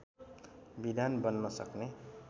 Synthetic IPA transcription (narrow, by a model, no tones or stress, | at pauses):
bid̪ʱanbʌnːʌsʌkne